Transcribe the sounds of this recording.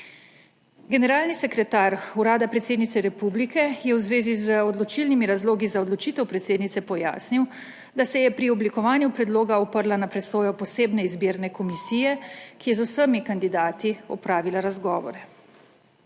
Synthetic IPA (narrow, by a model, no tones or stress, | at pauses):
ɡɛnɛɾaːlnisɛkɾɛt̪aɾuɾaːd̪apɾɛt̪sed̪nit̪sɛɾɛpublikɛjɛwzʋeːzizəɔd̪lɔt͡ʃilnimiɾazloːɡizaɔd̪lɔt͡ʃiːt̪ɛwpɾɛt̪seːd̪nit̪sɛpɔja̰ːsniw | d̪asɛjɛpɾiɔblikɔʋaːnjupɾɛd̪loːɡaupəɾlanapɾɛsoːjɔpɔseːbnɛizbiːɾnɛkɔmisiːjɛkijɛzusəmikand̪id̪aːt̪iɔ̰pɾaːʋilaɾazɡɔːʋɔ̰ɾɛ